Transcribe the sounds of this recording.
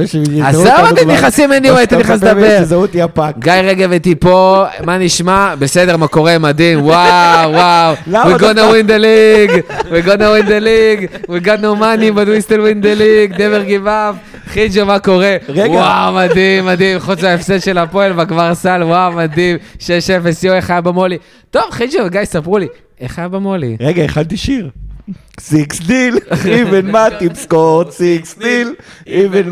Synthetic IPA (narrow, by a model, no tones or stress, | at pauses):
azaoiiχasimeniaet̪atiχasd̪abeʁzaut̪iapakɡajʁeɡevet̪ipomaniʃmabesedeʁmako̞ʁemad̪imwawawlwiɡonawind̪eliɡwiɡonawind̪eliɡwiɡad̪nomanibadwist̪elwind̪eliɡneveʁɡivaf | χid͡ʒomako̞ʁeʁewɡaawmad̪imːad̪imχut͡saefsed̪ʃelapoelvaɡvaʁsalwawmad̪imʃeʃefesjoeχajabamo̞li | t̪o̞vχid͡ʒoveɡajsapʁuli | eχajabamolḭʁeɡaeχalt̪iʃiʁ | siksd̪ilivenmat̪ipskoʁt̪siksdiliven